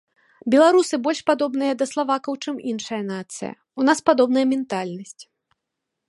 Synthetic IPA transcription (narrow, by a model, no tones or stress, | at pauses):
bʲɛlˠaɾusɨbɔlʲʂpad̪ɔbn̪ɨjɐd̪ɐslˠavakɐwt͡ʂɨminʂɐjɐnat̪sɨ̰jɐ̰ | unaspad̪ɔbnɐjɐmʲɛnt̪alʲnɐsʲt͡sʲ